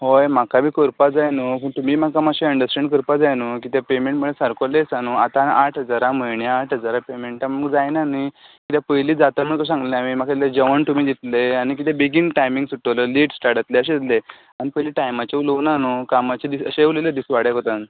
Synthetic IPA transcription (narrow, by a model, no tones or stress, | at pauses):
ɦojm̤akabiːkəɾpad͡zajnupəɳt̪umiːmakamaɕeəɳɖəsʈeɳkəɾpad͡zajnukit̪apemẽɳʈm̤əɭesəɾkolesanuat̪anʔaʈʰɦəd͡zaɾaməjɳeaʈɦəd͡zaɾapemeɳʈaməɡd͡zajnanikit̪japəjliːd͡zat̪am̤əkəs̬ãŋɡleamim̤akaled͡ʑəʋəɳt̪umiːd̪it̪leanik̬it̪ebiɡinʈajmĩŋɡsuʈːələliːʈsʈaɾʈat̪leəɕ̬eit̪le | anipəjliʈajmat͡ɕeulonanukamat͡ɕed̪isə̰ɕeuleləd̪isʋaɽjakot̪an